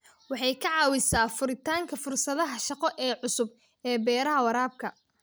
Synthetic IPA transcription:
wɑħɑjkʰɐʕɑːwɪsaːfʊɾɪt̪ʰaːŋkʰɐfʊrsɐðɐɦɐʃɑqɔʔɛːʕʊsʊb̚ | ɛːbɛːɾɐɦɐwɐɾaːb̚kʰɐ

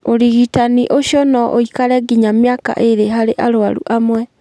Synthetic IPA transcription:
oɾiɣitaniʔoɕjɔnɔʔoikaɾɛɡiɲamjaka̰ʔeɾeɦaɾeʔaɾoaɾṵʔamwɛ

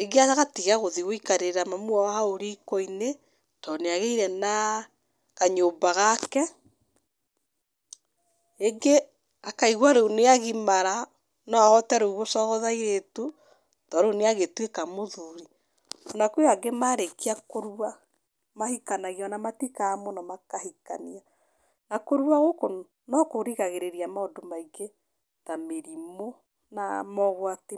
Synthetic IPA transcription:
eɡeaɣaɣatiɣaɣoðiɣoikaɾeɾamamwawahaoɾikɔine | tɔneaɣeiɾɛna | ɣaɲombaɣakɛ | eŋɡe | akaiɣwaɾouneaɣimaɾa | nɔɔtaɾouɣosɔɣɔðaiɾetu | tɔɾoneaɣetwekamoðuɾi | ɔnakuaɡemaɾekiakoɾua | mahikanaɣiɔnamatikaːmɔnɔmakahika̰nia | nakoɾuaɣoko | nɔkoɾiɣaɣeɾeɾiamaodomaiɡe | tameɾimo | na̰mɔɣwati

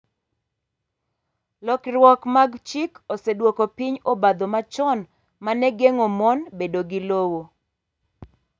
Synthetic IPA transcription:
lɔkɾwɔkmaɡt͡ʃɪkosɛdwokopiɲobad̪omat͡ʃɔn | manɛɡeŋomɔnbedoɡɪlowo

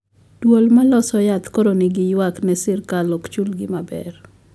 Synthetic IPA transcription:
dwolmalɔsɔjat̪koɾonɪɡɪjwaknɛsɪrkalokt͡ʃulɡɪmabɛ̰r

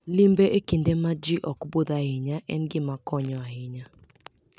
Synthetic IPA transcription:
limbeʔekindemad͡ʒiʔɔkbod̪ahɪɲaʔɛnɡɪmakɔɲɔaɦɪɲa

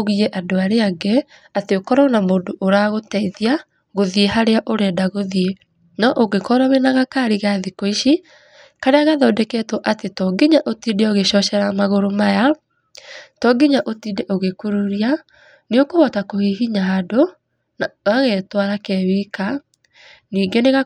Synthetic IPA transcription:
oɣiɛʔadoaɾeaɡɛ | ateokɔɾɔnamoːndoʔoɾaɣotɛiðia | ɣoðiehaɾeaʔoɾɛdaɣoðie | nɔʔoɣekɔɾɔwenaɣakaɾiɣaðikoiʃi | kaɾeaɣaðɔːdɛkɛtɔʔatetɔɡiɲaʔotiːdɛoɣeʃɔʃɛɾamaɣoɾomaja | tɔɡiɲaʔotiːdɛʔoɣekuɾuɾia | niokoβɔtakohiɦiɲaːdo | naɣaɣetwaɾakɛwika | niːŋɡeneɣa

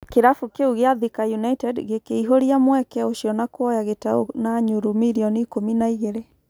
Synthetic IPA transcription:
keɾafukeuɣeaðikajunaitɛdɣekeiɦoɾiamwɛkɛoʃjɔnakwɔjaɣetaonaɲuɾumiɾiɔnikominaiɣeɾe

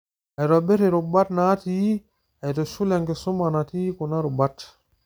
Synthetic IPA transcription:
ʔɛɾɔbɛɾɛɾubatnatii | ɛtɔsulɛŋɡɛsumanatikɔnaɾubat

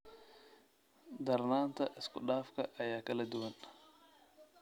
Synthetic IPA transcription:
d̪ɐɾnaːnt̪ɐʔɪskʊɗaːfkɐʔːjaːkɐlɐd̪ʊwɐn

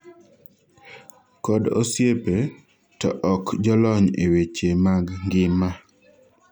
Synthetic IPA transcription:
kɔdo̰sjepe | tɔ̰ʔɔkd͡ʒɔlɔɲewet͡ʃemaɡŋɡɪma

